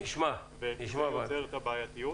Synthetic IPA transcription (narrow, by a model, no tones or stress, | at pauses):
niʃma | veniʃajot͡seʁt̪abaːjat̪iju